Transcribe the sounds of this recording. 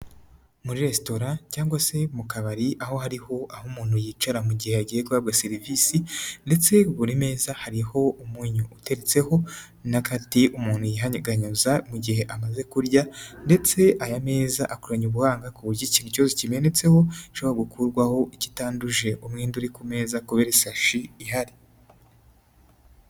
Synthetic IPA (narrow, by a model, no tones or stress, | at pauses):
muɾiɾe̞sto̞ɾacaːŋɡwase̞mukaβaɾiʔaho̞haɾiho̞ʔahumuːn̥ujit͡ʃaɾamuɟiheaɡijekuwabɡaseɾivisinde̞t͡se̞uβuɾime̞ːzahaɾiho̞umuɲuute̞ɾet͡se̞ho̞ | nakatiʔumuːn̥hujiɦaɲɡaɲuzamuɟihe̞ʔamaze̞kuɾɟande̞t͡se̞ʔajame̞ːzaʔakuɾaɲuβuhaːŋɡakuβuicinucuazocime̞ne̞t͡se̞ho̞iʃoβaɡukʰuɾɡwaho̞ʔici̥taːnduʒe̞ʔumŋeːnduɾikume̞ːzakuβeɾesaʃiːɦaɾi